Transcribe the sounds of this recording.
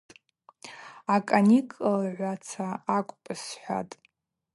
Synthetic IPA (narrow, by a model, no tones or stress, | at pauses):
akʼanikʼlʕʷat͡sʰaakʷʼpʼɨsħʷᶣa̰tʼ